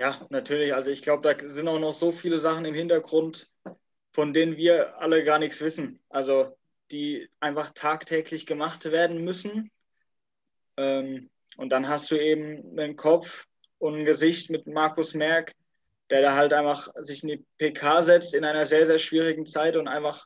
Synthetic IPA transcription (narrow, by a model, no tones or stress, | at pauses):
jaːnatʰyːɐlɪçʔalzoɪçɡ̥laʊbədaːzɪntaʊxnɔχz̥oːfiːləzaχn̩ɪmhɪntɐɡʁʊnt | fɔndeːnənviːɐʔa̰ləɡaːɐnɪkt͡ssv̥ɪsn̩ʔalzo | d̥iːʔaɪnfaχtʰaːktʰɛːklɪçɡ̥əmaχtv̥eːɐdn̩mʏsn̩ | ʔɛːm | ʔʊntd̥anɦast̚d̥uːeːbm̩nənkʰɔp͡f | ʊntn̩ɡəzɪçtmɪtmaɐkʊsmɛɐk | d̥eːɐɾaːɦaltʔaɪnfaχzɪçɪndiːpʰeːkʰaːzɛt͡stɪnʔaɪnɐzeːɐzeːɐʃv̥iːʁ̞ɪɡŋ̩t͡saɪtʊntʔa̰ɪnfaχ